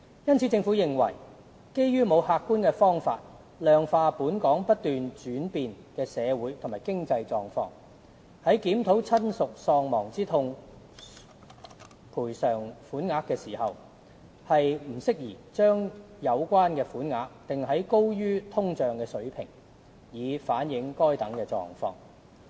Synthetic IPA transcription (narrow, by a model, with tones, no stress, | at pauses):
jɐ˥nt͡sʰiː˨˥t͡sɪ˧ŋfuː˨˥jɪ˨ŋwɐ̰˨˩j | ke˥jjyː˥mo˨˧whaː˧kːuː˥nkɛː˧fɔː˥ŋfa̰ː˧t̚ | lœː˨ŋfaː˧puː˨˥nkɔː˨˥ŋpɐ˥t̚t̪yː˨nt͡ʃyː˨˥npiː˨n | kɛː˧sɛː˨˧wuː˨˥jt̪ʰʊ˨˩maː˨˩jkɪ˥ŋt͡sɐ˧jt͡sɔː˧ŋfɔ̰ː˧ŋ | hɐ˨˥jkiː˨˥mt̪ʰo˨˥wt͡sʰɐ˥nsʊ˨k̚sɔː˧ŋmɔː˨˩ŋt͡siː˥t̪ʰʊ˧ŋ | pʰuː˨˩jsœː˨˩ŋfuː˨˥nŋaː˧kːɛː˧siː˨˩hɐ˨w | hɐ˨jm̩˨˩sɪ˥k̚jiː˨˩t͡ʃœː˥ŋ | jɐ˨˧wkʷaː˥nkɛː˧fuː˨˥nŋaː˧k̚t̪ɪ˨ŋɦɐ˨˥jko˥wjyː˥t̪ʰʊ˥ŋt͡ʃœː˨ŋkɛː˧sɵ˨˥ɥpʰɪ˨˩ŋ | jiː˨˧faː˨˥njɪ˨˧ŋkɔː˥jt̪ɐ˨˥ŋkɛː˧t͡sɔ̰ː˧ŋfɔ̰ː˧ŋ